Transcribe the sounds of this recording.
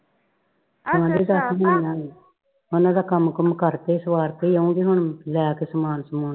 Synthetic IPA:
t̪ʰãːd̪eːd̪aːsɦənnaːiː | onãːd̪aːkəmkəmkəɾt̪eːsəʋaːɾt̪eiːəũːɡeɦʊɳlɛːkesəmaːnsəmoːn

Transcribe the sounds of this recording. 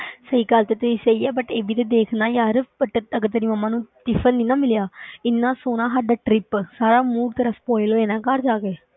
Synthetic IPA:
səiːɡəlt̪eːt̪ʊsiːsəiːɛːbəʈeːʋiːt̪eːd̪eːkʰnãːjaːɾbəʈːəɡəɾt̪eniːməmːãːnũːt̪ɪfʰənːĩːnãːmɪljaːɪnːãːsoːnãːsaːɖaːʈɾɪpsaːɾaːmuːɾt̪əɾəfpoːɪloːeːnãːkəɾd͡ʒaːɡeː

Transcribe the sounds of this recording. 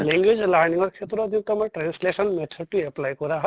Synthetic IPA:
leŋɡwed͡ʒlaɾnĩŋɡɔɾkʰet̪ɾɔd̪ĩt̪ɐmãʈɾanslesənmet̪ʰuɾʈieplajkɔɾaɦ

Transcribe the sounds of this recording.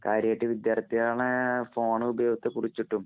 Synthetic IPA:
kaːɾjaːʈːiʋid̪jaːrt̪ijaːɳɨfo̞ːɳɨubɐjoːɡɐt̪ːekurit͡ɕːiʈːum

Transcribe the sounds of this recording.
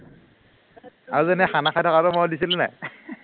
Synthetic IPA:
aɹuzenɛxanaxajtʰɔkaɾɔmɔdisiluna̰j

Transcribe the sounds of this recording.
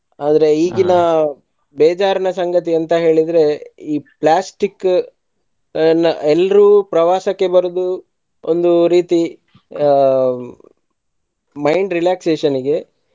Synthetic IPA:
aːd̪ɾe̞iːɡinɐ | bɛːd͡ʒaːɾɐnɐsɐŋɡɐt̪iɐnt̪ɐɦe̞ːɭid̪ɾe̞iːplaːsʈikː | nɐɛlːɐɾuːpɾɐʋaːsɐkːe̞bɐɾud̪u | ond̪uɾiːt̪i | mɐjɳɖɾilaːkseːʃɐniɡe̞

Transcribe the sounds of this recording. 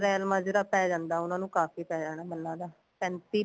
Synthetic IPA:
ɾɛːlmãːd͡ʒɪɾaːpɛːd͡ʒãːnd̪aːʊnãːnũːkaːfiːpɛːd͡ʒaːɽ̃aːməlːãːd̪aː | pɛ̃ːnt̪iː

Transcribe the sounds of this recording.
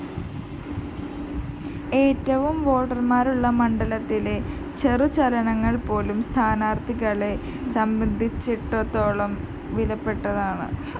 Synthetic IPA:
e̞ːtːɐʋumʋo̞ːʈːɐrmaːɾuɭːɐmɐɳɖɐlɐt̪ːile̞ | t͡ɕe̞rɨt͡ɕɐlɐɳɐŋːɐɭpo̞ːlumst̪ʰaːnaːrt̪ʰiɣɐɭe̞ | sɐmbɐnd̪ʱit͡ɕːiʈːot̪ːoːɭɐm | ʋilɐpːe̞ʈːɐðaːɳɨ̰

